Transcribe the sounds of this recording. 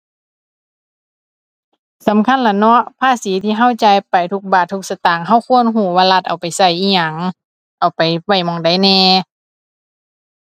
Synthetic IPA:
sa˨˦mkʰa˧˥˨nla˧˩nɔ˧˥ʔpʰaː˧˥˨siː˨˦t̪ʰiː˧ɦa˧˥˨wt͡ɕaː˧˦jpa˨jt̪ʰu˧˥k̚baː˨t̪ʰːu˧˥k̚sa˧t̪aː˨˩ŋɦa˧˥˨wkʰu˧˥˨ənɦuː˧˩waː˧˨la˧t̪̚ʔa˨wpa˨jsa˧˩jʔiː˧˥˩ɲa˧˩ŋ | ʔa˨˩wpa˨˩jwa˧˩jmɔ˧˩ŋda˨˦jnɛː˧

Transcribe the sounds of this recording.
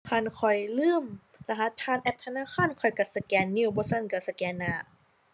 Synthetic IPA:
kʰa˧˨nkʰɔ˨˩jlɯː˧˥˨mla˧ɦa˧˥t̪ʰːaː˧˥˨nʔɛ˧˥p̚t̪ʰnaː˧˥˨xʰaː˧˥˨nkʰɔ˨˩jka˧˩sa˧kɛː˧˩nːiː˧˩˨bɔː˧˦sa˧˥˨nka˧˩sa˧kɛː˧nːaː˧˩

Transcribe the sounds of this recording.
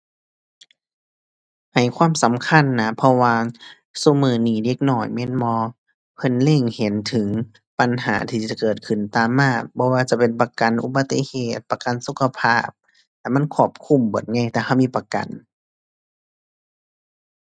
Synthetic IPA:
ha˨˩jkʰwaː˧˥˨msa˨˦mkʰa˧˥˨nːa˦˧˥pʰɔ˧waː˧ | su˧˦mɯː˨˧˦niː˧˩de˧˩k̚nɔː˧˩jmɛ˧˥˨nmɔː˧˦ | pʰɤ˧˥˨nle˧˩˨ŋhe˨˦nt̪ʰɯ˨˦ŋ | pa˨nɦa̰ː˩˦t̪ʰiː˧˩t͡ɕa˧˦kɤː˨˩t̪̚kʰɯ˨˩nt̪aː˨mːaː˧˩k̚bɔː˧˦waː˧t͡ɕa˧˨pe˨npa˧ka˨nʔṵ˧˦ba˨˧t̪ːḭ˧˨heː˨˩t̪̚pa˧ka˨nsu˧˦kʰa˧pʰaː˧˥˩p̚ | lɛː˧˥˨ma˧˥˨nkʰɔː˧˩p̚kʰu˧˨mbo˨˩˦t̪̚ŋa˧˩˨jt̪ɛː˧˩ha˧˩wmiː˧˥˨pa˧ka̰˨n

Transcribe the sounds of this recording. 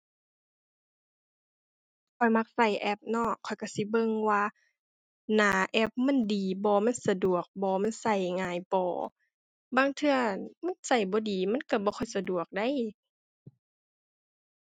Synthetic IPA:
kʰɔ˨˩jma˧k̚sa˧˩jʔɛ˧˥p̚nɔ˧˩kʰɔ˨˩jka˧˩si˧˦bɤ˧˨ŋwaː˧ | naː˨˦ʔɛ˧˥˩p̚mɛ˧˥˨ndiː˨˩bɔː˧˦ma˧˥˨nsa˧du˨˩ək̚bɔː˨˦ma˧˥˨nsa˧˩jŋaː˨˦jpɔː˨˩˦ | baː˧˨ŋt̪ʰɯ˧ɐəma˧˥˨nsa˨˧˩jbɔː˨˦diː˨˩ma˧˥˨nka˧˩bɔː˧˦kʰɔ˧˩jsa˧du˨˩ək̚da˧˥˨j

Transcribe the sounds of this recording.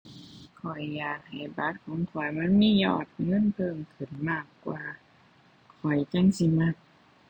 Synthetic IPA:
kʰɔ˨˩jːaː˨˩k̚ha˨˩jba˧˦˩t̪̚kʰɔː˨˦ŋkʰɔ˨˩jma˧˥˨nmiː˧˥˨jɔ̰ː˧˩t̪̚ŋɤ˧˥˨npʰɤː˧˨mkʰɯ˨˩nmaː˧˥˩kːwaː˧ | kʰɔ˨˩jt͡ɕa˧˥˨ŋsi˧˩ma˧˩t̪̚

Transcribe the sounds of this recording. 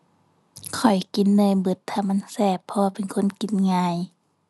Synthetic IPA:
kʰɔ˨˩jki˨˦nːɯː˧˩˨jbɯ˧˩t̪ʰːaː˧˩ma˧˥˨nsɛː˧˩pʰːɔː˧wa˧pe˨nkʰo˧˥˨nki˨˦nŋaː˧j

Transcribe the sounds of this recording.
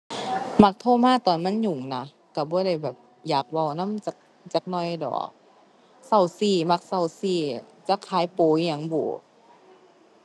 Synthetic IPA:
ma˧˩k̚t̪ʰoː˧˥˨maː˧˥˨t̪ɔː˨nma˧˥˨nɲu˨˩ŋna˧˦ | ka˧˩bɔː˧˦ɾa˧˩jbɛː˨˩p̚ | jaː˨˩k̚wa˧˩wna˧˥˨mt͡ɕa˧˦˩k̚ | t͡ɕa˨˩k̚nɔ˧˩˨jdɔ̰ː˨˦k̚ | sa˧˩wsiː˧˩ma˧˦k̚sa˧˩wsiː˧˩t͡ɕa˧˦kʰaː˨˦jpoː˨˦˧ɲa˧˦ŋbuː˨˩˦

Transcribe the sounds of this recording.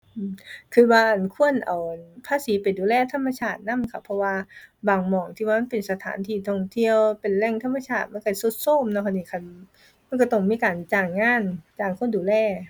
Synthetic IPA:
ʔɯː˧˩mkʰɯː˧waː˧ʔa˨˩nkʰu˧˥˨ənʔa˨˩wʔa˨˩npʰaː˧˥˨siː˨˦pa˨jduː˨˩lɛː˧˥˩t̪ʰa˧˥˨mːa˧t͡ɕʰaː˧˩t̪̚na˧˥˨mkʰa˧˩pʰɔ˧waː˧baː˨˩ŋmɔː˨˩ŋt̪ʰi˧waː˧ma˧˥˨pe˨nsa˧t̪ʰa̰ː˨˦nt̪ʰiː˧˩t̪ʰɔ˧˩ŋt̪ʰi˧˨əwpe˨˩nlɛ˧˥˨ŋt̪ʰa˧˥˩mːa˧˨t͡ɕʰaː˧˩t̪̚ma˧˥˨ka˧˩so˧˦t̪̚soː˥˨mnɔ˧˩kʰa˧˩niː˧˩kʰa˧˩n | ma˧˥˨nkɔ˧˩t̪ɔ˧˩ŋmiː˧˥˨kaː˨˩nt͡ɕaː˨˩ŋːaː˧˥˨nt͡ɕaː˨˩ŋkʰu˧˥ənduː˨lɛː˧˩

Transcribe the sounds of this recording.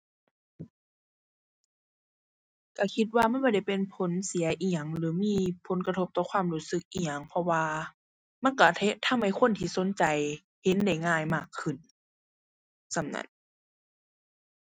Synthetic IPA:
ka˧˩kʰi˧t̪̚waː˧ma˧˥˨nbɔː˧˥˩da˧˩jpe˨npʰo˨˦nsi˨˦ɐʔiː˧˩a˨ŋlɯː˨˦miː˧˥˨pʰo˨˦nka˧t̪ʰo˧p̚t̪ɔː˧˩kʰwaː˧˥˨mluː˧˥˩sɯ˧˦k̚ʔiː˧˩ɲa˨ŋpʰɔ˧waː˧ | ma˧˥˨nka˧˩t̪ʰe˧t̪ʰa˧˥˨mha˧˩jkʰo˧˥˨nt̪ʰiː˧˩so˨˦nt͡ɕa˨j | he˧˦nda˧˩jŋaː˧˩˨jmaː˧˩kʰːɯ˧˩n | sa˧˩mna̰˧˥n

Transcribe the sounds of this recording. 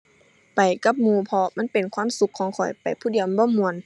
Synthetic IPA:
pa˨˩jka˧˦p̚muː˧˩pʰɔ˧ma˧˥˨npe˨˩nkʰwaː˧˥˨msu˧kʰːɔː˧˦ŋkʰɔ˨˩jpa˨˩jpʰuː˧˥˨di˨əmbɔː˧˥˨mu˨˧˩ən

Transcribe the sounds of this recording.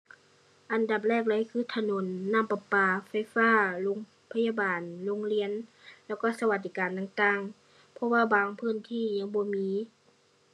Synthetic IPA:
ʔa˨nda˨˧˩p̬̚lɛː˧˩k̚la˧˥˨jkʰɯː˧˥˦t̪ʰa˧no˧˨˦nːa˧˥˨mpa˧paː˧˩fa˧˩jfaː˧˥˨lo˧˦ŋ | pʰa˧jaː˧baː˨˩nlo˧˥˦ŋli˧˥ənlɛː˧˩wkɔː˧˥˩sa˧wa˧t̪̚d̪iː˧kaː˨nt̪aː˧˨ŋt̪aː˧˩ŋ | pʰɔ˧˨waː˧˩baː˨˩˦ŋpʰɯː˧˥˨nt̪ʰiː˧˩˨ɲa˧˥˨ŋbɔː˧˦miː˧˦

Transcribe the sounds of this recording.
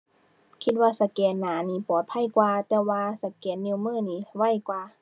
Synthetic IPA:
kʰi˧t̪̚waː˧sa˧kɛː˨˧˦nːaː˨˦niː˧˩˨pɔː˨˩˦t̪̚pʰa˧˥˨jkwaː˧t̪ɛː˧waː˧sa˧˩kɛː˨˦nːi˧˨mɯː˧˥˨niː˧˩˨wa˧˩˨jkwaː˧

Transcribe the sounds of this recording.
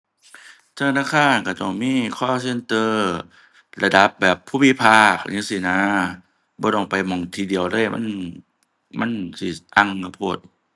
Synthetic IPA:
t̪ʰa˧a˧naː˧˩kʰaː˧˥˨nka˧˩t̪ɔ˧˩ŋmiː˧˥˨kʰɔː˧˩˨se˧nt̪ɤː˧ | la˧da˧˦p̚bɛː˨˩pʰːuː˧˨mi˧˥pʰaː˧˩k̚ɲɯ˧˨si˧˩naː˧˦ | bɔː˧˦dɔː˧˩ŋpa˨jmɔ˧˩˦ŋt̪ʰiː˧˩di˧˨əwlɤː˧˥˨jmʔa̰˧˥˨n | ma˧˥˨nsi˧˩t̪a˧˨ŋka˧˩pʰuː˧˩t̪̚

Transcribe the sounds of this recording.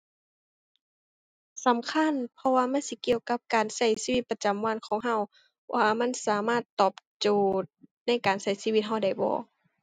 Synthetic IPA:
sa˨˦mkʰa˧˥˨npʰɔ˧waː˧ma˧˥˨nsi˧˦ki˧əwka˧˥p̚kaː˨˩nsa˧˩jsiː˧wi˧˦t̪̚pa˧t͡ɕa˨mwa˧˥˨nkʰɔː˨˦ŋɦa˧˥˨w | wʔaː˧ma˧˥˨nsaː˨˦maː˧˥˩t̪ːɔː˧˩p̚t͡ɕoː˧˩t̪̚na˧˥˨jkaː˨˩nsa˧˩jsiː˧wi˧t̪̚ɦa˧˩wda˧˩jbɔ̰ː˨˦

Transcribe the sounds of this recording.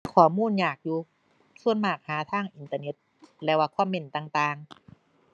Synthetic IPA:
kʰɔː˧˩muː˧˥˨njaː˨˩k̚juː˧ | su˧˥ənmaː˨˩k̚haː˨˦t̪ʰaː˧˥˩ŋʔi˨˧nt̪aː˧ne˧˥t̪̚ | lɛː˧waː˧kʰɔː˧˥˨mːe˧˩nt̪aː˧ŋt̪aː˧ŋ

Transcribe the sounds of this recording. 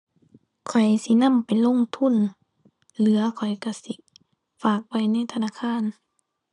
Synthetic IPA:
kʰɔ˨˩jsi˧˦na˧˥˨mpa˨jlo˧˥˨ŋt̪ʰu˧˥˨n | lɯ˨˦ɐkʰɔ˨˩jka˧˩si˧˦ | faː˨˩k̚wa˧˩jna˧˥˨jt̪ʰa˧naː˧˥˨kʰaː˧˥˨n

